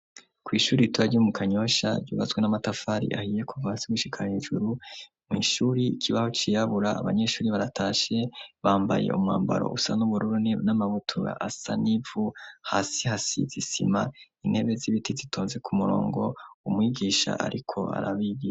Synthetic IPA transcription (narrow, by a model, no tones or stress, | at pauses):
kwiːʃuːɾituβaɟumukʰaɲo̞ʃa̰ɾuβazɡwenamatafaːɾḭʔahije̞kʰuvasiɡuʃikʰaɲiʒuɾumŋiːʃuːɾiːkʰiβaho̞t͡ʃijaβuɾa̰ːβa̰ɲe̞ʃuːɾiβaɾatʰaːʃe̞βaːmba̰jḛʔṵmŋa̰ːmba̰ɾo̰ʔusanuβuɾuɾuninamaβutʰuɾa̰ʔasanivuhasihasḭzisḭma̰in̥he̞βe̞ziβitʰizitʰoːnze̞kʰumuɾo̞̰ːŋɡo̞umŋiːɡiːʃa̰ʔa̰ɾʔikʰo̞̰a̰ɾaβiji